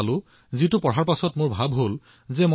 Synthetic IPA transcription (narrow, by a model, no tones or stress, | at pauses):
lʊ̃ | zitupɔɹaɹpasɔtmoɹbʱabɦol | zɛm